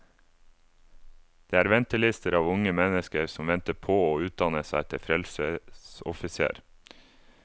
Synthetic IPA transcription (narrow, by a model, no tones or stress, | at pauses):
d̪̥eːæːɾʋɛnt̪əlɪst̪əɾɑːʋʊŋəmɛnəskəɾsɔmʋɛnt̪əpʰoːoːʉːt̪̚d̪ɑnəsæɪt̪ʰɪfɾɛlsəsɔ̰fɪsḛːɾ